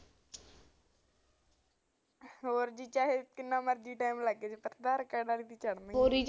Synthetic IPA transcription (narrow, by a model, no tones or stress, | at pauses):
ɦoːɾd͡ʒiːt͡ʃaːɦeːkɪnːaːməɾd͡ʒiːʈaːimləɡet͡ʃepəɾd̪əɾkəɽaːɾiːt̪iːt͡ʃəɽnə̃ɦoːɾiː